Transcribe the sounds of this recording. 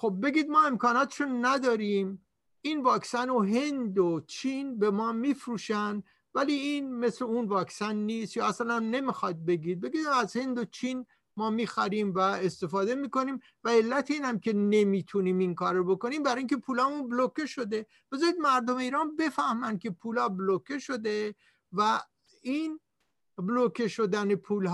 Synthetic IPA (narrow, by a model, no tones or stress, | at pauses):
xo̞bːe̞ɡiːd̪mɒːe̞mkʰɒːnɒːt̪ʰʃonæd̪ɒːɾiːm | ʔiːnvɒːksænoɦe̞nd̪ot͡ʃʰinbe̞mɒːmifɾuːʃænd̪ | væliːinme̞sle̞unvɒːksænːiːst̪jɒːæsænæmne̞mixɒd̪̚be̞ɡiːd̪̚be̞ɡiːd̪mæzhe̞nd̪ot͡ʃʰiːn | mɒːmiːxæɾiːmvæe̞st̪e̞fɒːd̪e̞miːko̞niːm | væe̞lːæt̪ʰeiːnhæmcʰʲe̞ne̞miːt̪ʰuniːmiŋkʰɒːɾobo̞ko̞niːmbæɾɑːjĩŋkʲʰe̞pʰuːlɒːmunblokeʃo̞d̪e̞ | b̥e̞zɑːnid̪mæɾd̪ome̞iːɾɑːnbe̞fæhmænkʲʰe̞pʰuːlɒːblokʰeʃo̞d̪e̞ | væ | iːn | blokʰeʃo̞d̪ænepʰuːlɦ